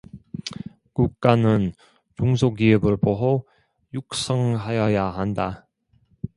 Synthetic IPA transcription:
kuk̚k͈anɯn | t͡ɕuŋsʰoɡiɯbɯɭboɦo | juk̚s͈ʌŋɦajʌjaɦanda

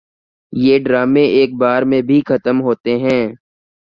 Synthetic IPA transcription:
jeːɖɾaːmẽʔeːk̚baːɾmẽbʱixɐt̪əmɦoːt̪eɦɛ̃ː

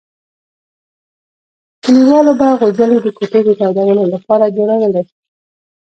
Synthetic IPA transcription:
kiliwɑlobaɣozəled̪əkoʈed̪ət̪awdawənolapɑɾad̪oɾanalaɾi̥

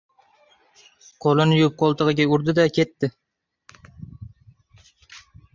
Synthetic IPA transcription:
qʰolˠɪnɪjup̚qʰolˠt̪ɨʁɨɡʲaʊɾd̪ɪd̪akʲʰet̪ːɪ

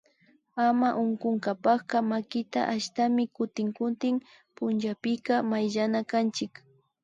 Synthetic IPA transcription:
amaʔʊŋkʊŋkapɑχkɑmakɪt̪a̰ʔaʃt̪amɪkʊt̪ɪŋkʊt̪ɪŋ | pʊnt͡ʃapɪkamajʒanakant͡ʃɪk

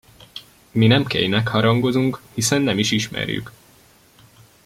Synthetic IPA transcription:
minɛmkḛjnɛkhɒɾɒŋɡo̞zuŋkhisɛnːɛmiʃiʃmɛ̰ɾjy̰k

